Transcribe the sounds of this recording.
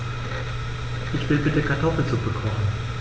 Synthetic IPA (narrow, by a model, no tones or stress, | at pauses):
ʔɪçv̥ɪlbɪtəkʰaɐtʰɔfl̩t͡sub̥əkʰɔχn̩